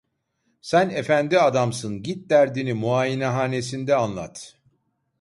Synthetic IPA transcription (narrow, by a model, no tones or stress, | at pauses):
sænefænd̪iad̪amsɯnɟit̪̚d̪æɾd̪inimuaːjinɛɦaːne̞sind̪ɛanlˠa̰t̪